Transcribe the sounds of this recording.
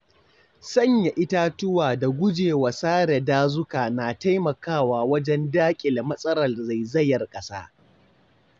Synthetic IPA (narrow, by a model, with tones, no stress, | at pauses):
sɐ˦˨ɲja˨ʔɪ˦ta˦tʊ˦waː˨da˨ɡʷʊ˦d͡ʒeː˨wa˨saː˦ɽɛ˨daː˦zʊ˦kaː˨na˨ta˦jmɐ˨kaː˦˨waː˨wɐ˦d͡ʒɛ˦ndaː˦kʲʼɪ˨la˨mɐ˦sʼɐ˦ɾɐ˨rza˨jzɐ˦jɐ˨rkʼɐ˦sa̰ː˦